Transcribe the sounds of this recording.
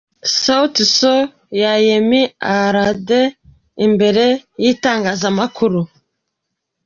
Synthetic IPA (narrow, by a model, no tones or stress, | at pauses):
sautiso | jajemiaɾade | imbe̞ɾe̞jiːtaːŋɡaːzamakuɾu